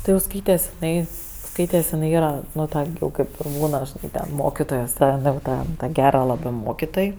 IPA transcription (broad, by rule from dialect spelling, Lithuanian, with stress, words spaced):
ˈtʲɪ jɛʊ ˈskɐɪtʲɛs ɪˈnɐɪ ˈskɐɪtʲɛs ɪˈnɐɪ ˈiːrɐ ˈnʊ ˈtɐ ɡʲɪ ˈjɛʊ ˈkɐɪp ɪr ˈbuːnɐ ʒʲɪˈnɐɪ tʲɛn ˈmoːkʲɪtoːjoːs ˈjɛʊ ˈtɐ ˈtɐ ˈɡʲæːrɐ ˈlˠɑːbɜ ˈmoːkʲɪtoːj